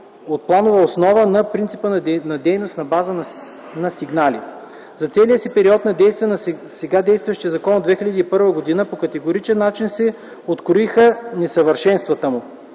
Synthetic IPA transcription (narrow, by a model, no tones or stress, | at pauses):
ot̪̚plˠanovəosnɔvənɐpɾint̪si̥pənnɐd̪ɛjnost̪nɐbazən | nɐsiɡnalḭ | zɐt̪sɛlijəsipɛɾiɔt̪nɐd̪ɛjst̪viɛnsɛɡad̪ɛjst̪vɐʃt̪ijəzɐkɔnod̪vɛxʲilʲəd̪iːpɤɾvəɡod̪inəpokɐt̪ɛɡoɾit͡ʃɛnːat͡ʃinsɛ | ot̪kɾoixənɛsɐvəɾʃɛnst̪vɐt̪əmʊ